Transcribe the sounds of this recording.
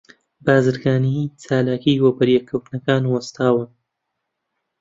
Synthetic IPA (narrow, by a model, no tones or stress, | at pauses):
baːzɨɾɡaːnit͡saːlaːkiːwɐbɐɾjɛkʰːɐwt̪nɐkaːnwɐst̪ʰaːwɨn